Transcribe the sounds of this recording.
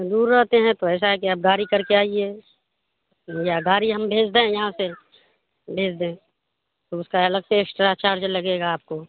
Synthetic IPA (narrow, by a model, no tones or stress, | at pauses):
d̪uːɾːəɦt̪eɦɛ̃t̪oɛːs̬aɦɛkiaːp̚ɡaːɾikɐɾkeaːieː | jaɡaːɾiɦɐmbʱeːd͡ʒd̪eɛ̃jɐɦãse | bʱeːd͡ʒd̪ẽ | t̪oʊskaɐləɡ̚t̪eːksʈɾat͡ʃaːɾd͡ʒlɐɡeːɡaːp̚ko